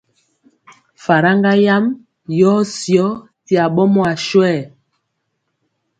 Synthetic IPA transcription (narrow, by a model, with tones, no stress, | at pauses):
fa˨ɾa˦ŋɡa˦ja˦m | jɔ˦sjɔ˦ | ti˨a˨ɓɔ˦mɔ˦a˨ʃwɛ˦˨